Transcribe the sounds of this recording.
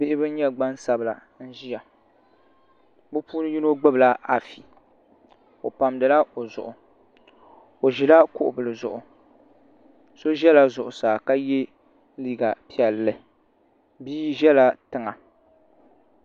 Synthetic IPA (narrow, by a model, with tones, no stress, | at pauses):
bɪ˦ʔɪ˦bɨ˦n˦ɲɛ˦ɡ͡ba˦nsa˨bɨ˨la̰˨ | n̩˦ʒi˦ja˨ | bɨ˦pʰuː˦nɨ˦ɲi˦no˦ɡ͡bɨ˦bla˦a˨fi˨ | o˨pa˨mdɨ˨la˦o˨zʊ̰˨ʔʊ˨ | o˨ʒi˨la˦kʊ˦ʔʊ̰˨bɨ˨lɨ˨zʊ˨ʔʊ˨ | so˦ʒɛ˦la˦zʊ˨ʔʊ˨saː˨ka˦jɛ˦ | liː˦ɡa˨pi˦ɛ˨lːɨ˨ | biː˦ʒɛ˦la˦tɨ˨ŋa˨